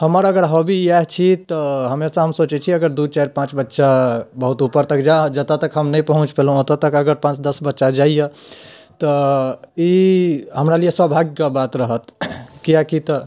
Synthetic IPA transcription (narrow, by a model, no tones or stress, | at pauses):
həməɾəɡəɾɦobiaɦt͡ʃʰit̪ɔɦəmesãɦəmsot͡ʃɛt͡ʃʰiəɡəɾd̪ut͡ʃaɾpãt͡ʃbətːʃabəɦut̪upəɾt̪əkd͡ʒad͡ʒət̪at̪əkɦəmnəjpəɦũt͡ʃpelot̪ət̪əkəɡəɾpãt͡ʃd̪əsbətːʃad͡ʒaijət̪ə | iɦəmɾalijeswəbʱaɡkabat̪ɾəɦət̪kijakit̪ɔ